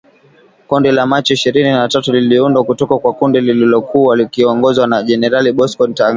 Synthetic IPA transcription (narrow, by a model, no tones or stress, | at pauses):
kundilamat͡ʃɔiʃiɾininatatuliliundwakutɔkakwakundilililɔkʰuwalikiɔŋɡɔzwanaʄɛnɛɾaliɓɔskɔntaŋ